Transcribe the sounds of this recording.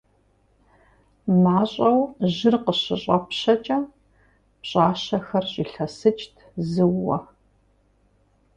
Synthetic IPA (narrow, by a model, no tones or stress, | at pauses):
maːɕʼɐwʑɪrqəɕɨɕʼɐpɕɐt͡ʃʼɐ | pɕʼaːɕɐxɐrɕʼiːɬɐsɨt͡ʃʼtʰzɨwːɐ̰